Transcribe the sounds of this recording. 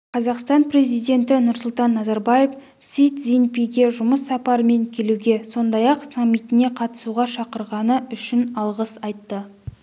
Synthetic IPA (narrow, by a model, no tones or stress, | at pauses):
qʰɑzɑqst̪ɑnpɾe̞zijd̪e̞nt̪ɪnʊɾsʊlˠt̪ɑnːɑzɑɾbɑje̞f | sit̪zinpijɡʲe̞ʒʊməsːɑpɑɾəme̞ŋkʲʰe̞luɡʲe̞so̞nd̪ɑjɑqsamːijt̪ɪne̞qʰɑt̪ə̥suʁɑʃɑqəɾʁɑnəʏʃɪnɑlˠʁəsɑjt̪ːə